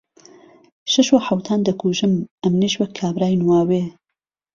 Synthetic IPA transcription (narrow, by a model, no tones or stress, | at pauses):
ʃɐʃwɐħawt̪ʰaːnd̪ɐkʰuːʒɨmʔɐmniʃwɐkʰːaːbɾaːjnwaːweː